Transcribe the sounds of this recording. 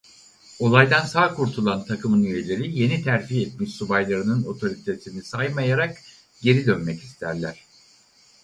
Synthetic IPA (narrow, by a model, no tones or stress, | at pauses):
o̞lˠajd̪ansaːkʰuɾt̪ʰulˠant̪ʰakʰɯmɯnyje̞lʲe̞ɾije̞nit̪ʰæɾd͡ʒiɛt̪̚miʃsubajlˠaɾɯnɯno̞t̪ʰo̞ɾit̪ʰesinisajmajaɾak | ɟ̥e̞ɾid̪ønmɛci̥st̪ʰæɾlʲæɾ̝̥